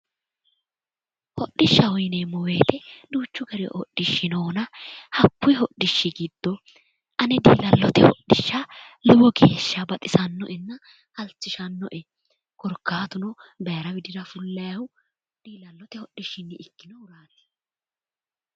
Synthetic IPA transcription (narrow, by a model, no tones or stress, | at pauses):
hɔɗːɪʃːɐɔjnemɔwe̞ːt̪ɛd̪uːt͡ʃːʊɡɐɾɪ̰ʔɔɗːɪʃːɪnoːnɐhɐkːʊjɦɔɗːɪʃːɪɡid̪̥ːɔ | ʔɐnɛd̪ḭːlɐlːɔt̪ɛhɔ̰ɗːɪʃːɐ | lʊwɔɡeːʃːɐbɐt̪ʼɪsɐnːɔʔɛnːɐ | hɐlt͡sːɪʃɐnːɔ̰ʔɛ | kɔɾkːaːt̪ʊnɔbɐjɐɾɐwɪd̪ɪd̪ɐfʊlːɐjɐwʊ | d̪̥iːlɐlːɔt̪ɛhɔɗːɪʃːɪnːɪɪkːɪnɔʊɾaːt̪ːɪ̥